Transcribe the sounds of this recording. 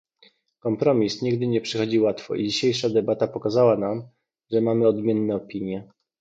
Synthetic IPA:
kɔmpɾɔmʲisɲiɡd̪ɘɲɛpʂɘxɔd͡ʑiwat̪fɔ̰ʔid͡ʑiɕejʂad̪ɛbat̪apɔkazawanam | ʐɛmamɘɔd̪mʲjɛnːɛɔpʲiɲjɛ

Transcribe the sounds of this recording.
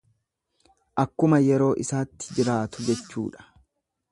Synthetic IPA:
ʔɐkːʊmɐjɛɾo̞ːʔɪsaːt̪ːɪ̥d͡ʒɪɾaːt̪ʊd͡ʒɛt͡ʃːṵːᶑɐ̥

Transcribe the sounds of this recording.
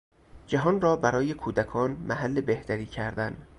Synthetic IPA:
d͡ʒæɦɒːnrɒːbæɾɒːje̞kʰuːd̪ækʰɒːnmʔæɦælːe̞beht̪æɾiːcʰæɾd̪æn

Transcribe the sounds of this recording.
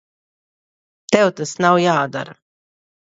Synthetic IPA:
t̪ɛwt̪asnawjaːd̪a̰ɾa

